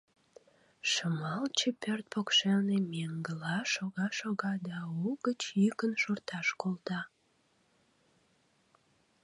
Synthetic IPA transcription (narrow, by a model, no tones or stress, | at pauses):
ʃəmɑlt͡ɕepørt̪̚pokʃelnemeŋɡəlɑʃoɣɑʃoɣɑd̪ɑuɡət͡ɕykənʃort̪ɑʃkolt̪ɑ